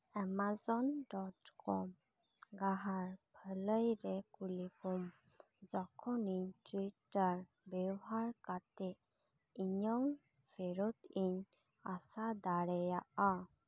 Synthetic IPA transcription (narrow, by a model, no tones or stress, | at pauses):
ɛmazɔnɖɔʈkɔm | ɡaɦaɾbʱələjɾɛkulikɔm | d͡ʒɔkʰɔniɲʈwiʈaɾ | bɛɔɦaɾkat̪e | iɲɔwn | pʰeɾɔt̪iɲ | asad̪aɽɛjaʔa